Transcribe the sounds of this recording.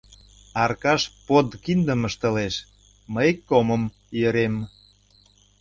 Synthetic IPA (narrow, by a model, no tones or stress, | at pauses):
ɑrkɑʃpod̪kind̪əməʃt̪ə̆leʃ | məjkːoməm | jəɾem